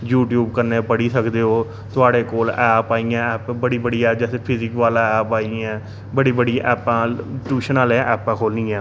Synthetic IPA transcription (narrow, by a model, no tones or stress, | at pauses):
juːʈjuːbkəɾneːpəɽiːsəkd̪eːɦoː | t̪ʊaːɽeːkoːlɛːpaːijãːɛːpbəɽiːbəɽiːɛːd͡ʒɛːsepʰɪzɪkʋaːlaːɛːpaːiɛ̃ː | bəɽiːbəɽiʔɛːpãːʈuːʃənaːleʔɛːpɛ̃ːkʰoːlnĩːɛ̃ː